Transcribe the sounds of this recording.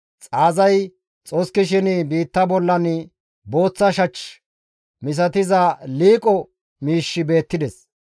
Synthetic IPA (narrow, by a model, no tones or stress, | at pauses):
t͡sʼaːzɐj | t͡sʼoskːɪʃ̬ɪnbiːt̪ːɐbɔlːɐn | bo̞ːt͡sːɐʃɐt͡ʃ | mɪs̬ɐt̪ɪzɐliːkʼɔ | miːʃːɪbe̞ːt̪ːɪd̪ɛs